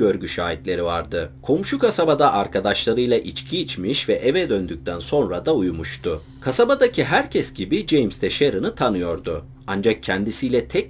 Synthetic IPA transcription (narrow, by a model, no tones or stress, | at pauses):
øɾɟyʃaːit̪lʲe̞ɾivaɾd̪ɯkʰo̞mʃukʰasabad̪aʔaɾkʰad̪aʃlˠaɾɯjlˠaʔit͡ʃcʰiːt͡ʃmiʃvɛʔevɛd̪ø̞nd̪yc̚ʲt̪ʰænso̞nɾad̪aujmuʃt̪ʰʊ | kʰasabad̪acʰiɦæɾcʰɛsɟibid͡ʒejmst̪ʰɛʃeɾɯnɯt̪ʰanɯjo̞ɾd̪ʊ | and͡ʒak̚cʰɛnd̪isijlʲɛt̪ʰɛ